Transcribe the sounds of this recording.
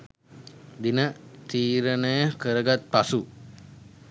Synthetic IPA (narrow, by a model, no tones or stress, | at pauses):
d̪inəʔt̪iɾənəjəhkəɾəɡat̪̚pasuʔ